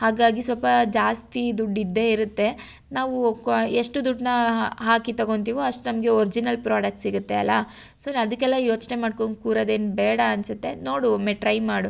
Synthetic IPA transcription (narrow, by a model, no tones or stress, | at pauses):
haːɡaːɡisʋɔlpɐd͡ʒaːst̪id̪uɖːid̪ːe̞iɾut̪ːe̞ | naːʋueʂʈud̪uɖnɐɦaːkit̪ɐɡo̞nt̪̬iːʋuɐʂʈunɐmɐɡeoɾid͡ʒinɐlpɾaːɽɐk̚ʈsiɡut̪ːe̞ɐlːɐ̰ | sonɐd̪ɐkːɛlːɐjo̞ːt͡ʃnemaːɖkonkuːɾɐd̪e̞ːnubɛːɽɐːnsut̪ːe̞no̞ːɽumɛʈɾɐjmːaːɽu